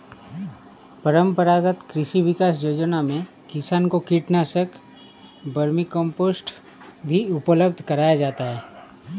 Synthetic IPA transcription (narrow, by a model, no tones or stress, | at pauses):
pəɾə̃mpəɾaːɡət̪kɾɪʃiʋɪkaːsjoːd͡ʒənamẽ | kɪsaːnkokiːʈnaːsək | bɐɾmikɔ̃mpoːsʈ | bʱiʊpləbd̪ʱkɐɾaːjad͡ʒaːt̪aɦɛː